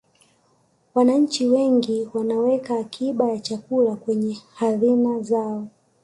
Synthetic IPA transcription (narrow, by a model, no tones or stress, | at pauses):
wanaɲ̩t͡ʃiwɛŋɡiwanawɛkaːkʰiɓajat͡ʃakulakwɛɲɛhazinazaɔ